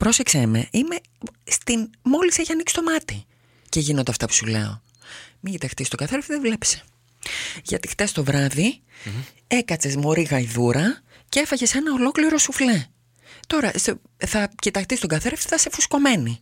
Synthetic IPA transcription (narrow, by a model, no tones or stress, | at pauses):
pɾo̞seksemḛʔime̞ | st̪inmo̞liseçɐnikst̪o̞mɐt̪i | ceʝinonɐft̪ɐpu̥sule̞̰o̞̰ | miɟit̪ɐxt̪ist̪o̞ɡɐθeɾeft̪iðevle̞pse̥ | ʝɐ̰t̪ixt̪e̞st̪o̞vɾɐði | e̞kɐt͡se̞zmoɾiɣɐiðuɾɐ | ceefɐʝe̞senɐo̞lo̞kliɾo̞sufle | t̪o̞ɾɐso | θɐcit̪ɐxt̪ist̪oɡɐθeɾeft̪i̥θɐse̞fusko̞me̞ni